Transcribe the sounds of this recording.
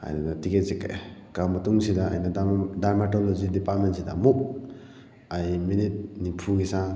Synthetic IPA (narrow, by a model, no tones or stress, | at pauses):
a̰jnanatiket̚sikːa̰kamɐtuŋsidaa̰jnadaɾmatolozidipat̚mentsida̰muk̚ | ajminit̚nipʰuɡisa